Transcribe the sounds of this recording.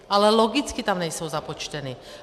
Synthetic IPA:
alɛlɔɡit͡skit̪amɲɛsuʊzapɔt͡ʃcɛniː

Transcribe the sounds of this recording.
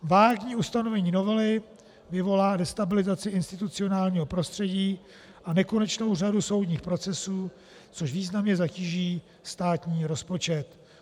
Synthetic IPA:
vaːɡɲiːust̪ano̞vɛɲiːno̞vɛlɪ | vɪvo̞laːdɛst̪abɪlɪzat͡sɪɪnst̪ɪt̪ut͡sɪo̞naːlɲiːɦo̞pɾo̞st̪r̝̥ɛɟiː | ʔanɛko̞nɛt͡ʃno̞wr̝aduso̞wdɲiːxpɾo̞t͡sɛsuː | t͡soʃviːznamɲɛzaciːʒiː | st̪aːt̪ɲiːɾo̞spo̞t͡ʃɛt̪

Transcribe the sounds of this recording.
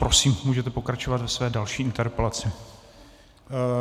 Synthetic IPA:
pɾo̞siːmmuːʒɛt̪ɛpo̞kɾat͡ʃovat̪vɛsvɛːdalʃiːɪnt̪ɛɾpɛlat͡sɪ

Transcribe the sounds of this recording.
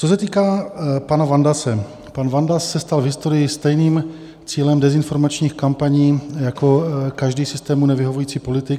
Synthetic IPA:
t͡sos̬ɛt̪iːkaːpanavandasɛ | panvandassɛst̪alvɦɪst̪o̞ɾɪjɪst̪ɛjniːm | t͡siːlɛmdɛzɪnfo̞ɾmat͡ʃɲiːxkampaɲiːjako̞kaʒdiːsɪst̪ɛːmunɛvɪɦo̞vujiːt͡siːpo̞lɪt̪ɪk

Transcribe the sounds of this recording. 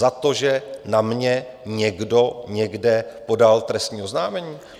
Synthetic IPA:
at̪o̞ʒɛnamɲɛ | ɲɛɡdo̞ɲɛɡdɛpo̞dalt̪ɾɛst̪ɲiːo̞znaːmɛɲiː

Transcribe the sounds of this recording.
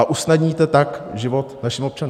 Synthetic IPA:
aʔusnadɲiːt̪ɛt̪akʒɪvo̞t̪naʃɪmop̚t͡ʃanu

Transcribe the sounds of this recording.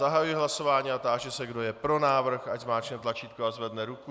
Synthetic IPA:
aɦajujiɦlaso̞vaːɲiːat̪aːʒɛsɛɡdo̞jɛpɾo̞naːvr̩xaczmaːt͡ʃnɛt̪lat͡ʃiːt̪̚koazvɛdnɛɾuku

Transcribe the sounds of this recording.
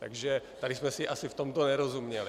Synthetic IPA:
t̪a̰ɡʒɛt̪alismɛsiʔasift̪ɔmt̪ɔɲɛɾɔzumɲɛli

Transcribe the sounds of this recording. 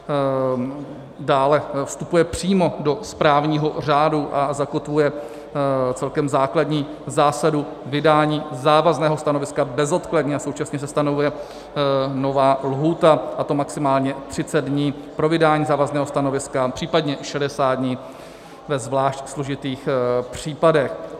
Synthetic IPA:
daːlɛfst̪upujɛpr̝̥iːmo̞do̞spɾaːvɲiːɦo̞r̝aːduʔazako̞t̪vujɛ | t͡sɛlkɛmzaːkladɲiː | zaːsadu | vɪdaːɲiːzaːvaznɛːɦost̪ano̞vɪskabɛzo̞t̪kladɲɛaso̞wt͡ʃasɲɛsɛst̪ano̞vujɛ | no̞vaːlɦuːt̪aʔat̪o̞maksɪmaːlɲɛt̪r̝̥ɪt͡sɛd̪dɲiː | pɾo̞vɪdaːɲiːzaːvaznɛːɦost̪ano̞vɪskapr̥iːpadɲɛʃɛdɛsaːd̪̚dɲiː | vɛzvlaːʃcslo̞ʒɪt̪iːxpr̥iːpadɛx

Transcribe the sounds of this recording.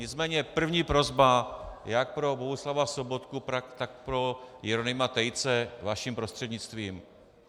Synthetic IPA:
ɲɪt͡smɛːɲɛpr̩vɲiːpɾozbajak̚pɾo̞boɦuslavafsobot̪kupɾakt̪ak̚pɾo̞jɪɾonɪmat̪ɛjt͡sɛvaʃimpɾost̪r̝̥ɛd̪ɲɪt͡st̪viːm

